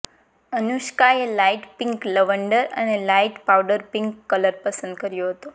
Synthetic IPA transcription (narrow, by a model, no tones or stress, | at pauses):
ənuʃkaelaiʈpĩŋkləʋəɳɖəɾə̰nelaiʈpawɖəɾpiŋkːələɾpəsə̃nd̪̚kəɾjoɦət̪o